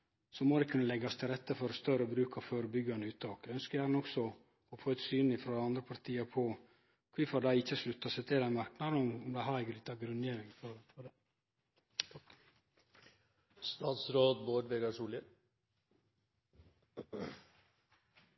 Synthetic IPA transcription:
sɔmod̪ɛɪkʰʉnːəlɛɡɑst̪ʰɪlɾɛt̪ːəfɔɾɔst̪œɾəbɾʉːkʰɑføːɾəbʏɡɑnəʉːt̪t̪ʰɑːkœnskəæːɾnɔksɔ | ɔfoːɛt̪syːnɪfɾɔɑnd̪ɾəpʰɑɾt̪ʰiːəɾpʰɔ | kʰʋɪfɔd̪æɪɪçːəslʉt̪ːɑsɛt̪ʰɪd̪æɪmɑɾknɑd̪ɔmɔmd̪æɪhɑɾɛɡəlɪt̪ːɑɡɾʉneːɾɪŋfɔ | st̪ɑːt̪sɾoːd̪boːɖʋeɡɑʂuːlə

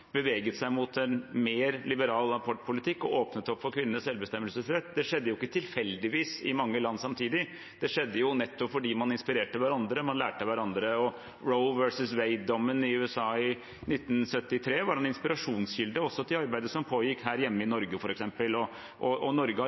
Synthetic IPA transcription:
b̥əʋeːɡət̪sæɪmʊt̪ʰɛnmeːɾlɪbəɾɑːlɑpʰɔʈːpʰʊlɪt̪ʰɪkːɔoːpnət̪ɔpːfɔɾkʰʋɪnːnəsɛlbəst̪ɛmːəlsəsɾɛt̪ːd̪ɛʂɛd̪ːəjʊɪkːət̪ʰɪlfɛld̪ɪʋiːsɪmɑŋːəlɑnːsɑmt̪ʰiːd̪ɪ | d̪ɛʂɛd̪ːəjʊnɛt̪ːɔpfɔɖiːmɑnɪnspɪɾeːʈəʋæɾɑnd̪ɾəmɑnlæːʈəʋæɾɑnd̪ɾəɔ | ɹoʊʋœɾsəsʋeɪd̪ɔmːənɪʉːɛsɑːɪ | nɪt̪ːnsœt̪ːɪt̪ʰɾeːʋɑɖɛnɪnspɪɾɑʂuːnsjʏld̪əɔsːɔt̪ʰɪlɑɾbæɪd̪əsɔmpʰoːjɪkhæːɾjɛmːəɪnɔɾɡəfɔɾɛksɛmpəlɔ | ʔɔɔnɔɾɡə

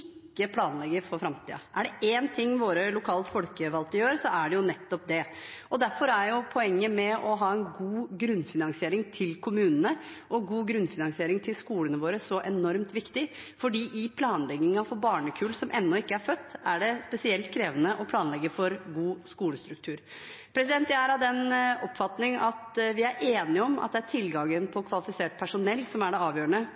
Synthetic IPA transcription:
ɪkːəpʰlɑːnlɛɡːəɾfɔɾfɾɑmt̪ʰḭːɑ̰ʔæɖɛʔeːnt̪ʰɪŋːʋoːɾəlʊkʰɑːlt̪fɔlkəʋɑlt̪əjøːɾsɔæɖɛjʊnɛt̪ːɔp̚d̪ɛɔd̪æɾfɔɾæɾjʊpʰɔɛŋːəmɛʔɔɦɑːɛnɡuːɡɾʉnːfɪnɑŋsɪeːɾɪŋt̪ʰɪlkʰʊmʉːnənəʔɔɡuːɡɾʉnfɪnɑŋsɪeːɾɪŋt̪ʰɪlskuːlənəʋoːɾəsɔʔɛnɔɾmt̪ʋɪkt̪ɪfɔɖiːʔɪpʰlɑːnlɛɡɪŋɑfɔɾbɑːɳəkʰʉːlsɔmʔɛnːɔɪkːəæɾfœt̪ːæɖɛspɛsɪɛlt̪kʰɾeːʋənəʔɔpʰlɑːnlɛɡːəfɔɾɡuːskuːləst̪ɾʉk̚t̪ʰʉːɾ | pʰɾɛsɪd̪ɛnt̪jææɾɑʋd̪ɛnɔpːfɑt̪nɪŋɑt̪ʋɪæɾʔeːnɪɔmɑ̰t̪̚d̪ɛæʈʰɪlɡɑŋːənpʰɔkʰʋɑlɪfɪseːʈ̚pʰæʂʊnɛlːsɔmæɖɛɑːʋjøːəɳə

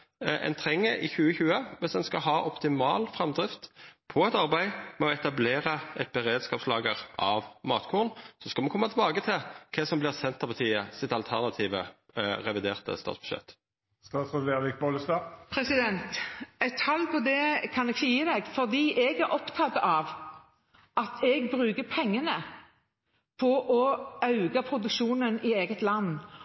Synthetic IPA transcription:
ʔɛ̰nt̪ʰʁɛŋːəʔɪçʉːəçʉːəʋɪsɛnskɑɦɑːʔɔpt̪ɪmɑ̰ːlfʁɑmd̪ʁɪft̪pʰɔɛt̪ɑʁbæɪmɛɔɛt̪ɑbleːʁəʔɛt̪̚bɛʁeːd̪skɑːpslɑːɡəʁʔɑʋmɑːt̪kʰuːʁənsɔskɑlmɛnkʰɔmːɑt̪ʰlbɑːɡət̪ʰɪlkʰɛsɔmblɪʁsɛnt̪ʰːɑpʰɑt̪ʰiːəsɪt̪ɑlt̪ʰæʁnɑt̪ʰiːʋə | ʁɛʋɪd̪eːʁt̪ə̰st̪ɑ̰t̪sb̥ʉ̥ʃɛ̰t̪ː | st̪ɑːt̪sʁɛleːʁʋɪk̚bɔləst̪ɑpʰɾɛsɪd̪ɛnt̪ɛt̪ʰhɑlːpʰɔd̪ɛkʰɑnɛɡʃəjiːəd̪ɛɡfɔʁd̪iːʔɛɡæɾʔɔpt̪ʰɑt̪ːɑʋ | ɑt̪ɛɡbʁʉːɡəpʰɛŋːənə | pʰɔʔɔɑʉɡɑpʰʁʊd̪ʉkʃuːnənɪeːɡət̪lɑnː

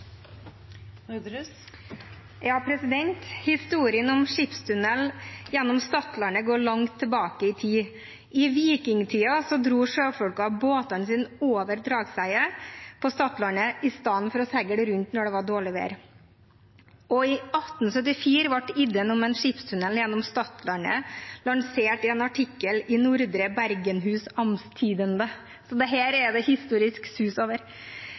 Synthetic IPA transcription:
jɑːpʰɾɛsɪd̪ɛnt̪hɪst̪uːɾɪənɔmʂɪpst̪ʰʉnɛljɛnːɔmst̪ɑt̪lɑnəɡoːɭɑŋt̪ʰːəbɑːkəɪt̪ʰiː | ɪʋiːkɪŋt̪ʰiːɑsɔd̪ɾuːʂøːfɔɽkɑɑboːt̪ɑnsiːnoːʋəɾd̪ɾɑːɡsæɪəpʰɔst̪ɑt̪lɑnəɪst̪ɑnfɔɾɔsɛɡəɖ̪ɛɾʉnt̪nɔɖɛʋɑɾɖoːɭɪʋḛːɾ | ɔɪɑt̪n̩sœt̪ːɪfiːɾʋɑʈːɪd̪ənɔmɛnʂɪpst̪ʰʉnəljɛnːɔmst̪ɑt̪lɑnə̰lɑŋseːʈɪɛnɑʈʰɪkːəlɪnʊɾd̪ɾəbæɾɡənɦʉːsɑmst̪ʰiːd̪ənd̪ə | sɔd̪ɛɦæːɾɛd̪ɛhɪst̪uːɾɪsksʉːsoːʋəɾ

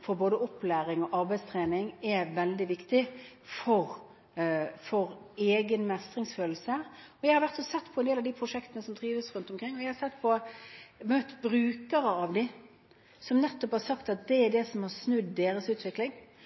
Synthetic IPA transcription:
fɔɾboːd̪əʊplæːɾɪŋɔʔɑɾbæɪst̪ʰɾeːnɪŋɛʋɛld̪ɪʋɪkt̪ɪ | fɔɾ | fɔɾeːɡənmɛst̪ɾɪŋsføːl̩səɔjæɪhɑɾʋæɾt̪sɔsɛt̪ːpʰɔɛnd̪eːlɑʋd̪ipʰɾʊʂɛkt̪ənəsɔmt̪ʰɾiːʋəsɾʉnt̪ɔmkɾɪŋːɔjæɪhɑsɛt̪ːpʰɔ | møt̪bɾʉːkəɾəɑʋd̪ɪ | sɔmnɛt̪ːɔphɑɾsɑkt̪ɑt̪̚d̪ɛːɖɛsɔmhɑɾsnʉd̪ːeːɾəsʉːt̪ʰʋɪklɪŋ

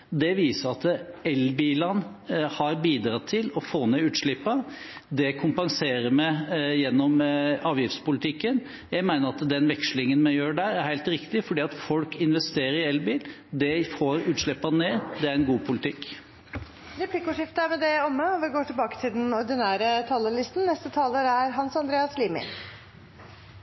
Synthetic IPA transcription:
d̪ɛʋiːsəɾɑt̪ɛlbiːlɑnhɑɾbiːd̪ɾɑt̪ʰɪlɔfoːnɛʉːt̪ʂɭɪpːɑ | d̪ɛkʰʊmpɑŋseːɾəɾmæɪjɛnːɔmɑːʋjɪft̪spʊlɪt̪ʰɪkːən | jæɪmæɪnəɾɑt̪d̪ɛnʋɛkʂlɪŋənmɛjøːɖæɾæɾhæɪlt̪ɾɪkt̪ɪfɔɖiːɑt̪fɔlkɪnʋɛst̪eːɾəɾɪɛlbiːl | d̪ɛfoːɾʉːt̪ʂɭɪpːɑneːd̪ɛæɾɛnɡuːpʰʊlɪt̪ʰɪkː | ɾɛpʰlɪkʊʂɪft̪əæmɛd̪ɛɔmːəɔʋɪɡoːʈʰɪlbɑːkə̥t̪ʰɪld̪ɛnɔɾɖ̪ɪnæːɾət̪ʰɑːləlɪst̪n̩nːɛst̪ət̪ʰɑːləɾæɾɦɑnsɑnd̪ɾeːɑsliːmɪ̰n

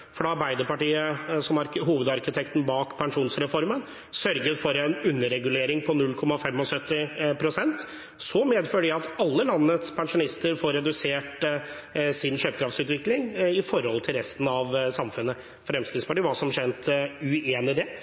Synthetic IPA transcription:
fɔɖɛɑɾbæɪd̪əɾpɑʈiːəsɔmɑɾɦuːʋəd̪ɑɾkɪt̪ʰɛkt̪n̩bɑːkpʰɛŋʂuːnsɾɛfɔɾmən | sœɾɡət̪fɔɾɛnʉnːəɾɛɡʉleːɾɪŋpʰɔnʉlkʰɔmɑfɛmːɔsœt̪ːɪpʰɾʊsɛnt̪ | sɔmeːd̪føːɖəɖɪɑt̪ɑlːəlɑnːət̪spʰɛŋʂʊnɪst̪əɾfoːɾɛd̪ʉseːʈ | sɪnɕøːpə̥kɾɑft̪sʉːt̪ʋɪklɪŋɪfɔɾhɔlt̪ʰɪlɾɛst̪n̩ɑʋsɑmfʉnːə | fɾɛmskɾɪt̪spɑʈiːʋɑːsɔmʂɛnt̪ʉeːnɪd̪ɛ

